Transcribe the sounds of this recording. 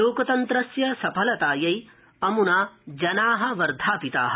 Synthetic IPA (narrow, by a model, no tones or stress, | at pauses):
oːkɐt̪ɐnt̪ɾɐsjɐsɐpʰɐlɐt̪aːjɐj | ɐmunaːd͡ʒɐnaːɦɐ̆ʋɐɾd̪ʱaːpit̪aːɦɐ